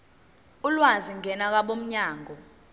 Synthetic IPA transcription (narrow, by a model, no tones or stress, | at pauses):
ulwaziŋʱɛnak̬aɓom̩ɲaːŋʱɔ